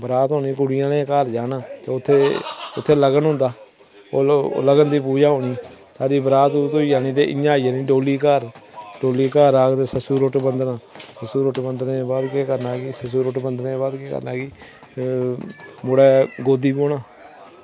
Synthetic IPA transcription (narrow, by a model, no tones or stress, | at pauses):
bəɾaːt̪ɦoːniːkʊɽɪjãːnẽːkəɾd͡ʒaːnaːt̪eːʊt̪ʰːeːʊt̪ʰːeːləɡənɦʊ̃nd̪aː | o̰ːləɡənd̪iːpuːd͡ʒaːɦoːniːsaːɾiːbəɾaːt̪ut̪oiːd͡ʒaːniːt̪eːʔɪ̰jãːiːanĩːɖoːliːkəɾɖoːliːkaːɾaːɡt̪eːsəsuːɾoʈbənd̪naːsəsuːɾʊʈbənd̪neːbaːd̪kekəɾnaːkiːsəsuːɾʊʈbənd̪neːbaːd̪keːkə̰ɾnaːɡiː | mʊɽɛːɡoːd̪iːboːnaː